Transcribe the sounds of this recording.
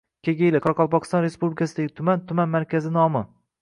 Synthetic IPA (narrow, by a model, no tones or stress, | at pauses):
kʲʰeɡʲejlɪqʰɒɾqɒlˠpɒqʰɨ̥st̪ɒnɾe̞spublɪkʰʲasɪd̪aɡʲɪt̪ʰʊmant̪ʰʊmanmaɾkʲazɪnɒmɪ